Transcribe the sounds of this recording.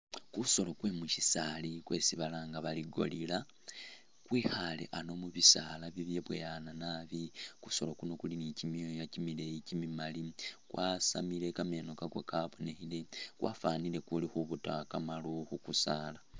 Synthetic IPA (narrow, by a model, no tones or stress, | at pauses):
kuso̞lokwe̞mucisalikwe̞ːsiβalaːŋɡaβaliɡo̞̰lila | kwiːhalḛʔano̞muβisaːlaβiβjeβwḛjananaːβikuso̞̰lo̞kuno̞kulinicimjojacimile̞jicimimalikwʔasa̰milekamenokaɡo̰kaːβone̞hile̞kwa̰ːfaːnile̞kulixuβutakamaloxukusaːla